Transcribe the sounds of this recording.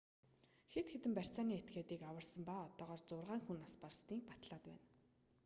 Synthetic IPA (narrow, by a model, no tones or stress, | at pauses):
xet̪xet̪ɘ̆mpær̥ʲt͡saːniːet̪̚ɡeːt̪iːkawə̆rsə̆mpaːɔt̪ɔːʁɔːrt͡sʊrʁaːŋxunaspar̆st̪iːk̚pḁt̪ɮaːt̪pæ̰ːn